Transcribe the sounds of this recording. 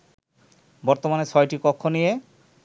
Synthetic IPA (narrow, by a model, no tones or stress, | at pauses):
bɔɾt̪omanet͡ɕʰɔjʈikokʰːonije